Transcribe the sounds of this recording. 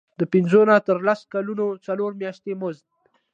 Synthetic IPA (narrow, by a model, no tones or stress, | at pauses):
d̪əpɪnzonat̪əɾlaskalunot͡saloɾmjaʃt̪emozd̪